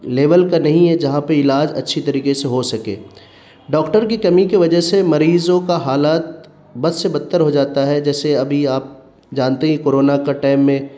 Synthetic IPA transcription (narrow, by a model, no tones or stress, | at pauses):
leːʋəlkanɐɦĩɦɛd͡ʒɐɦãpɐɪlaːd͡ʒɐ̰tːʃʰit̪ɐɾiːkeseɦosɐkḛː | ɖɔːkʈəɾkikɐmikiʋɐd͡ʒəɦsemɐɾiːzõkaɦaːlaːt̪̚ | bɐd̪sebɐt̪ːəɾɦod͡ʒaːt̪aɦɛd͡ʒɛːseɐbʱiaːp̚ | d͡ʒaːnt̪eɦɛ̃koːɾoːnakaʈaːɪmːẽ